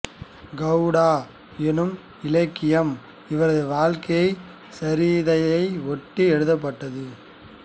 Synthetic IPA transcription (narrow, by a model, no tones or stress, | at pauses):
ɡɐʊɽaː | ɛnɯm | ɪlɐɪkːɪjɐm | ɪʋɐɾɐðɯʋaːlkɐjɐɪ | sɐɾiːðɐjɐɪɔʈːiɛɻɯðɐp̬ːɐʈːɐðɯ